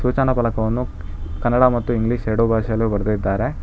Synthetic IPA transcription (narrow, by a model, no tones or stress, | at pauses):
suːt͡ʃɐnɐpɐlɐkɐʋɐnːu | kɐnːɐɽamɐt̪ːuiŋɡliʂɦeːɽuːbʱaːʃɐjɐlubɐɾd̪id̪ːaːɾe̞